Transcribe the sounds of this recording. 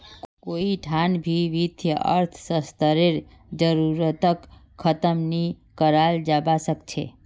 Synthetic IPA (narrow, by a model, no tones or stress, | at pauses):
koiʈʰanbʱiʋit̪ʰjəə̰ɾt̪ʰsəst̪əɾeɾ | d͡ʒəɾuɾət̪ək | kʰːət̪əmni | kəɾald͡ʒabasəkt͡ʃʰḛ